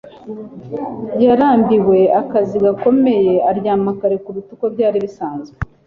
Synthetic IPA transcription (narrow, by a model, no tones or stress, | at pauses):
jaɾaːmbiwe̞akaziɡako̞me̞je̞aɾjaːmakaɾe̞kuβitukobɟaːɾiβisaːnzɡe